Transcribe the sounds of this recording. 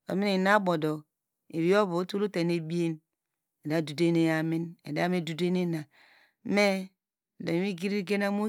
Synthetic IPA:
o̰˨mi˦ni˨na˦bo˨do˨ | e˨βi˦o˦βo˨˦tu˦lu˦te˨ne˨bi˦e˦n | e˨da˦˨du˨de˦ne˨ja˨mi˦nḛ˨da˦me˦du˨de˦ne˦na˨˦ | me˦˨ | do˨i˨mi˦ɡi˦ɾi˦ɡe˦na˦mo˦

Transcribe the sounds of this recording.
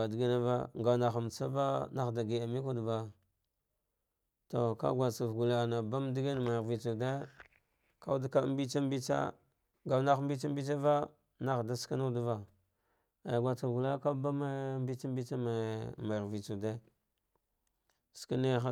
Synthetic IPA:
a˨di˨ɡi˦na˦va̰˦ŋɡa˨na˨xa˨m˨t͡sa˦va˦na˦xda˨ɡi˨a˨mi˦ku˦dba˦ | to˨ka̰˦ɡwa˨t͡sa˨vɡu˨la˨a˨na˨ba˦mdi˦ɡi˦n˨ma˨vi˨t͡ʃu˨de˦ | ka˦u˦dka˦m˦bi˦t͡ʃa˦m˦bi˦t͡sa̰˦ | ŋɡa˨wna˦xmbi˦t͡ʃa˦m˦bi˦t͡sa˦va˦ | na˦xda˦ska˦na˦u˦du˦va˦ | a˨ɡʷa˨t͡sa˨vɡu˨la˦ka˦ba˦ma˦mbi˦t͡ʃa˦mbi˦t͡ʃa˦ma˨ma˨ɾvi˨t͡su˨de˦ | ska˦ne˦xa˦

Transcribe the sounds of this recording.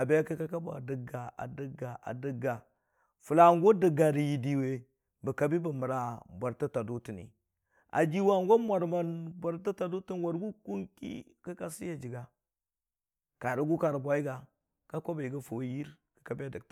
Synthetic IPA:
a˨bi˦ja˦ka˦ka˦ka˦ba̰˨də˨ɡa˨a̰˨də˦ɡa˨ʔa̰˨də˦ɡa˨ | fu˨la˨ŋɡo˦də˨ɡa˨ɾji˨di˨we˨ | bə˨ka˨bi˦bə˨mə˨ɾa˨bʷa˨ɾta˦ta˨du˦ti˨nḭ˨ | a̰˨d͡ʒi˦wa˨ŋɡo˦mʷa˨ɾma˨nbʷa˨ɾta˦ta˨du˦ti˦nwa˨ɾɡu˦ku˦ŋkḭ˦ | kə˦ka˦si˦ja˨d͡ʒi˨ɡa˨ | ka˨du˦ɡu˦ka˨ɾbʷa˦i˦ɡa˨ | ka˦kʷo˦ba˨ji˨ɡa˦fo˨˦ji˦ɾ | kə̥˨ka˨bi˦a˦˨də˨t

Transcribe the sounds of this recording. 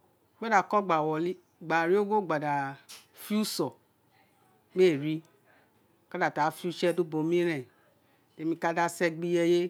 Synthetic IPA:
ɡ͡ba˦da˨kɔ˦ɡ͡ba˨wɔ˨li˦ | ɡ͡ba˨ɾi˦o˦ɡo˦˨ɡ͡ba˨da˨ | fi˦u˦sɔ˨ | ɡ͡be˦˨ɾi˦ | ka˦da˨ta˨˦fi˦u˦t͡ʃɛ˦du˦bo˨˦mĩ˦ɾɛ̃˨ | e˨mĩ˧ka˦da˧sɛ˧ɡ͡bi˧jɛ˧je˦

